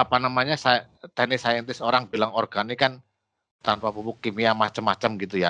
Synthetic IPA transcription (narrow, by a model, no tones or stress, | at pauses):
apanamaɲasa | t̪ɛnɪsajɛnt̪ɪsoɾaŋbilaŋorɡ̥anikan | t̪anpapupukimiamat͡ʃəmːat͡ʃəmɡit̪uja